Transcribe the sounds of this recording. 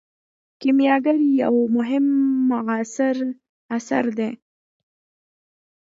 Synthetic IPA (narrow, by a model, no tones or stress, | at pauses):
kimjɑɡaɾiawmʊɦɪmːʊɣɑsɪɾ | asa̰ɾd̪e